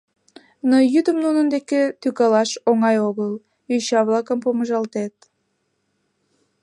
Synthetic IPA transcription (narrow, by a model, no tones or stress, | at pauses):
nojyd̪əmnunənd̪eket̪ykɑlɑʃoŋɑjoɣəl | yɕɑβlɑkəmpoməʒɑlt̪et̪̚